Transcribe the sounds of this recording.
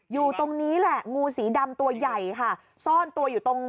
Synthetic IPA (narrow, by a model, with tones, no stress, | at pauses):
juː˨˩t̪o˧ŋniː˦˥lɛ˨˩ʔŋuː˧siː˩˦da˧mt̪u˧ɐja˨˩jkʰa˥˩ | sɔː˥˩nt̪u˧əjuː˨˩t̪o˧ŋ